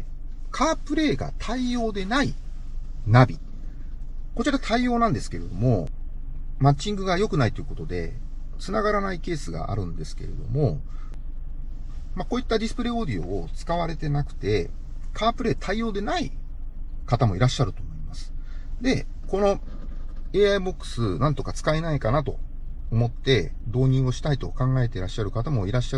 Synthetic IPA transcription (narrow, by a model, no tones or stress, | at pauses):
kʰaːpɯ̟ɾe̞ːɡa̰t̪ʰaijo̞ːd̪e̞nai | nabʲi | ko̞t͡ɕiɾat̪ʰaijo̞ːnãnd̪e̞sɨ̥ke̞ɾe̞d̪o̞mo̞ | mat͡ɕĩŋɡɯ̟ɡajo̞kɯnait̪o̞jɯ̟ko̞t̪o̞d̪e̞̰ | t͡sɨnaɡaɾanaike̞ːsɨɡa̰ʔa̰ɾɯ̟̃nd̪e̞sɨ̥ke̞̰ɾe̞̰d̪o̞̰mo̞ | mako̞ːit̪ːad̪ʲisɨ̥pɯ̟ɾe̞ːo̞ːd̪ʲio̞̰ːt͡sɨ̥kaβ̞aɾe̞t̪e̞nakɯ̟̥t̪e̞ | kʰaːpɯ̟ɾe̞ːt̪ʰaijo̞ːd̪e̞nai | kat̪amo̞iɾaɕːaɾɯ̟t̪oːmo̞imasɨ̥d̪e̞ | ko̞no̞ | e̞ːaibo̞kːɯ̥sɨnãnt̪o̞kat͡sɨ̥kainaikanat̪o̞̰ː | mo̞t̪ːe̞ | d̪o̞ːɲ̟ĩɰ̃o̞ɕi̥t̪ait̪o̞kãŋɡae̞t̪e̞ɾaɕːaɾɯ̟kat̪amo̞iɾaɕːa